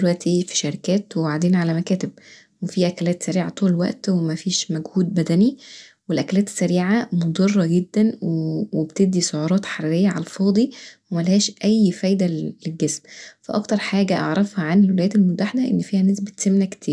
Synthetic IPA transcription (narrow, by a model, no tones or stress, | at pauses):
d̪elwæʔt̪ʰifi̥ʃɑɾikæːt̪wewaʕd̪iːnʕalæmækæːt̪eb̚ | wefiːʔækælæːt̪sæɾiːʕat̪ˤuːlelwæ̰ʔt̪wemæfiːʃmæɡhuːd̪̚bæd̪æni | welʔækælæːt̪e̥sːæɾiːʕamod̪ˤɑrˤːɑɡed̪ːænwewebt̪eb̚d̪isoʕuɾˤɑːt̪ħaɾiɾejːæʕɑlfɑːd̪ˤiwemælæhæːʃʔæjːfæːjd̪æːeɡɡesmfæʔɑ̰kt̪ɑɾˤħaːɡæʔɑ̰ʕɾˤɑfhæʕanelwelæjæːt̪elmot̪ːaħed̪æʔenːfiːhænæːsbet̪semnækt̪ʰiːɾ